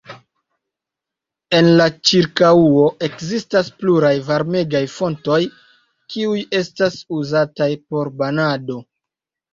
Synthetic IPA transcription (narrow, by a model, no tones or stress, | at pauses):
e̞nlat͡ʃiɾkauo̞ʔe̞kzistaspluɾajvaɾme̞ɡajfo̞nto̞j | kʰiuje̞stasuzatajpo̞ɾbanado̞